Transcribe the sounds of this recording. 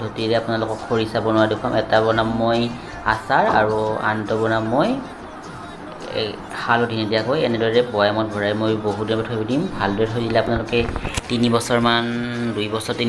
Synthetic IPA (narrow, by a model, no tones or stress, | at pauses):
dʱotiɹɛapʊnalʊkɔkʰːoɹisabɔnʊadekʰamɛtabɔnamːoj | a̰saɹa̰ɹua̰ntɔbɔnamːoj | halɔdʱinɛdijakojɛnɛdɔɹiɹɛbɔjamɔt̚bʱɔɹajɛmojboɦudinɛbɔtʰojbidimbʱaldɔɹɛtʰojdilɛapunalʊkɛtinibɔsɔɹmandujbɔsɔɹtin